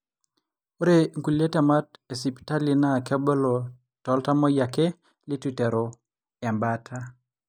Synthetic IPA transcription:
o˦ɾe˦ŋku˨le˦tɛ˨ma˦t̚e˨si˨pta˦li˦na˦˨kɛ˦bɔ˦lo˨ | tɔ˦lta˦mɔ˦ja˨ke˦ | lɪ˦twi˨tɛ˨ɾo˨ | ɛ˨mba˦tʰa˦

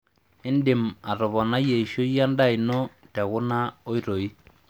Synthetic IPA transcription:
i˦ndi˨ma˨ɾɔ˨βɔ˨na˦je˨i˨ʃo˦a˦nda˦i˨nɔ˦ta˨ɣu˦na˦o˦i˦ɾo˨i˦

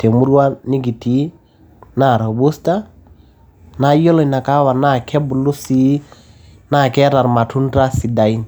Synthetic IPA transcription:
tɛ˨mu˦ɾwa˦ni˦ɡi˨ti˨˦ | na˦˨ɾa˨bu˦sta˦ | na˨˦jɔ˦lɔ˨na˨ka˦wa˨na˦˨kʰɛ˦bu˨lu˦si˦ | na˦˨kɛ˦ɾa˨ɾma˨tu˦n˦ta˦si˨da˨i˦n

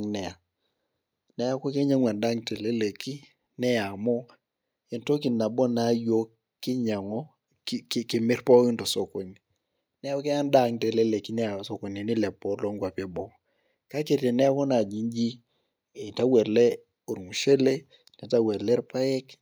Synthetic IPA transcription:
ŋnɛ˨a˨ | nɛ˨˦a˦kɔ˦ke˦ɲa˦ŋwa˨nda˦ŋtɛ˨le˦le˨ki˦ | nɛ˦ja˨mɔ˦ | ɪ˨nto˦k̬i˨na˨bɔ˦na˦jo˦ | kːɪ˦ɲa˨ŋɔ˦ | kkɪ˨mɪ˦rpɔ˦kɪ˦ntɔ˨so˨ko˨ɲi˨ | nɛ˦kɛ˦a˦nda˦˨ŋtɛ˨le˦le˨ki˦nɛ˦a˨so˨ko˨ɲi˨nɪ˦lɛ˨pɔ˦lɔ˦ŋɡwa˨pi˦bɔ˦ | ka˦ke˨ɾtɛ˨nɛ˦a˦kɔ˦na˨d͡ʒi˨ɲd͡ʒi˦ | e˨ta˦wɛ˨ɾlɛ˦ | o˨ɾŋu˨ʃe˦le˦ | nɛ˨ta˦wɛ˨ɾlɛ˦ɾpa˦jɛ˦k

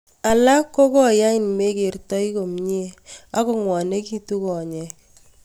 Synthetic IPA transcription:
a˨la˦kːo˦kɔ˦ja˦i˦n˨me˦ke˨rtɔ˦i˦ko˨mɲe˦a˦ko˦ŋwɔ˨ne˦ki˦tu˦kɔ˨ɲɛ˨k̚

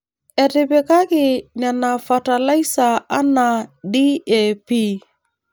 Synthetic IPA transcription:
ɛ˨ɾɪ˨bɛ˨ka˦kɪ˨na˨na˨fa˨ta˨la˦jsa˨a˦na˨di˦ɛ˨pi˦

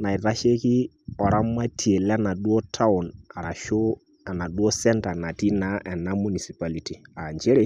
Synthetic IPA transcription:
na˨ɪ˨ɾa˦ʃe˦kɪ˦ | ɔ˨ɾa˦ma˦tʰi˨e˨lna˨ɗwɔ˦tʰa˦ʊ˨na˨ɾa˨ʃo˦ | a˨na˨ɗwɔ˦sɛ˦nta˨na˨ti˦na˨˦ʔɛ˨na˦mu˨ni˨si˨pa˦li˨ti˨a˨ɲd͡ʒe˦ɾe˦

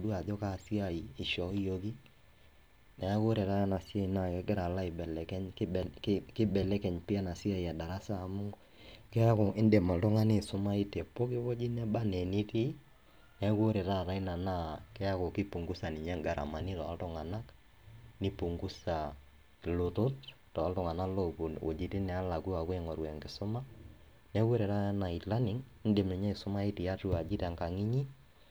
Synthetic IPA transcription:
du˦a˨d͡ʒɔ˦ka˦˨si˦a˨iː˨ʃɔ˨˦jo˦ki˦ | nɛ˨a˦ko˦ɾe˨ɾa˦na˨si˦a˦i˨na˦˨ɛ˦ɡɪ˦ɾa˨la˦ɪ˨bɛ˨lɛ˨kɛ˦ɲkkɪ˦bɛ˨lɛ˦kɛ˨ɲpɪ˦a˦na˨si˦a˦i˨a˨da˨ɾa˦saː˦˨mʊ˦ŋɡ | kɛ˦a˦kɔ˨ʔɪ˦ndɛ˨ma˨ltɔ˦ŋa˦ne˦sʊ˦ma˦i˦tɛ˨po˦kɪ˦bɔ˦d͡ʒi˦nɛ˦ba˦ne˨ni˦ti˦ | nɛ˨˦ku˦ɾe˨ɾa˦˨ɾa˨˦i˦na˨na˦˨kɛ˦a˦ko˨ki˦pu˨ŋɡu˦sa˨nɪ˨ɲɛ˦ŋɡa˦ɾa̰˨ma˨ni˦tɔ̰˨a˦ltɔ˦ŋa˨na˦k | nɪ˦pu˨ŋɡu˦sa˨ | lo˨tʊ˦t | tɔ˨a˦ltʊ˨ŋa˨na˦lo˦ku˨no̰˨d͡ʒi˨ti˦nɛ˨a˦la˨ku˦a˨kʊ˦ɛ˦˨ŋɔ˨ɾwɛ˨ŋɡɪ˨sʊ˦ma˦ | nɛ˦ko˦ɾɛ˨ɾa˦na˨i˨tla˦nɪ˨˦ŋɪ˦nde˨mi˨ɲɛ˦˨sʊ˦ma˦i˦ti˨a˦tu˦a˨d͡ʒi˦ta˨ŋka˨ŋi˦ɲi˦

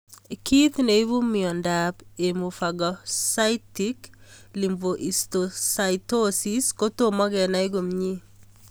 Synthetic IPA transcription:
ki˦t̪ne˨i˦βu˦miɔ˨ndape˨mu˨faɡɔsa˦itiklimvoʔi˨stosaitosi˦sko˦to˦mɔ˦ɡɛ˨na˦i˦ɡo˨mɲi˦

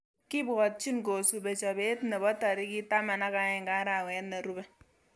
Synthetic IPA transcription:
ki˦bɣɔ˨t̚t͡ʃi˦nko˨su˨be˨t͡ʃa˨be˦tne˨bɔ˦ta˨ɾi˦ki˦ta˦ma˨na˦ka˦ɛ˨ŋ˨a˦ɾa˨wɛ˨˦tne˨ɾu˦bɛ˦

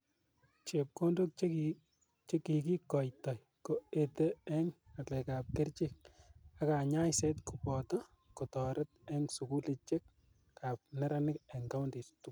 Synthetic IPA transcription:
t͡ʃe˨p̚ko˦ndo˦k̚t͡ʃk | t͡ʃe˦ki˨ki˦kɔ˨jtɔ˨j | ko˦ete˦ɛ˦ŋa˨lɛ˨ka˨p̚ke˦ɾt͡ʃik̚a˦kaɲa˦jse˦tkupɔ˨tɔ˦ | ko˨tɔ˨ɾɛ˦t̚ɛ˦ŋsu˨ku˦let͡ʃe˦k | ka˨p̚nɛ˦ɾa˦nɪ˦kɛŋka˦wnde˨ttuk

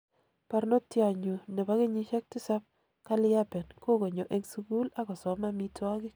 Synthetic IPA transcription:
pa˨ɾno˦tja˨ɲu˨ne˨ba˦ke˦ɲi˦ʃɛ˦k̚tɪ˦sa˦p̚ | ka˦lɪ˦a˦pɛ˨nko˦ko˨ɲo˨ʔe˦ŋsu˦ku˦la˦kɔ˨sɔ˨ma˦mi˦ta˦kɪ˦

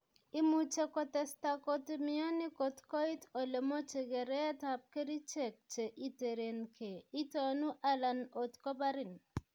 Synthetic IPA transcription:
i˦mu˨t͡ʃe˦kɔ˨tɛ˨sta˨ko˦tmɪ˦ɔ˦nɪ˦ko˨tkɔ˦i˦to˨le˨mo˦t͡ʃe˨ɡɛ˨ɾɛ˦a˦ta˨p̚ke˦ɾi˦t͡ʃe˦˨k̚t͡ʃe˨ʔi˦te˨ɾe˨nkʰe˨i˦tɔ˨nu˦ʔa˦la˨no˨tkɔ˦ba˦ɾɪ˨n

